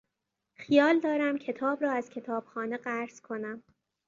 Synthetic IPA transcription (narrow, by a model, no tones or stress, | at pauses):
xijɒːld̪ɒːɾæmcʰe̞t̪ʰɒːbɾɒːæz̥cʰe̞t̪ʰɒːb̥xɒːneɢæɾz̥kʰo̞næm